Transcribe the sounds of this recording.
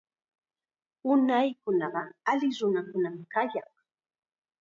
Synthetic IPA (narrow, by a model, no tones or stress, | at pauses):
ʊnajkʊnɑɢɑalɪɾʊnakʊnamɪkaʎɑŋ